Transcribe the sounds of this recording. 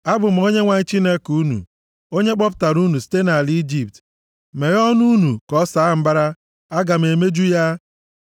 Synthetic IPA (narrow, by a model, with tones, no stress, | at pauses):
a˦bʊ˨m̩˦o˦ɲe˦ŋʷa˨ɲ˦t͡ʃi˦ne˦ku˦nṵ˨ | o˦ɲe˦k͡pɔ˦pʊ̥˨ta˨ɾu˦nu˨si̥˦te˦na˨li˦d͡ʒi˨p̚t | me˨ɾɔ˦nu˦nu˨kɔ˦saː˨˦m̩˦ba˦ɾa˦ | a˦ɡa˨m̩˨e˨me˦d͡ʒu˦ja˦